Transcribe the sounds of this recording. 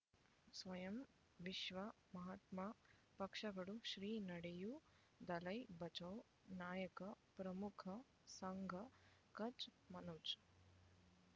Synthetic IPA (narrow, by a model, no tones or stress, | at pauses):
sʋɐjɐm | ʋiʃʋɐ | mɐɦat̪maː | pɐkʂɐɡɐɽuʃɾiːnɐɽeju | d̪ɐlɐjbɐt͡ʃɐw | naːjɐkɐpɾɐmukʰɐ | sɐŋɡʱɐ | kɐt͡ʃmɐnoːt͡ʃ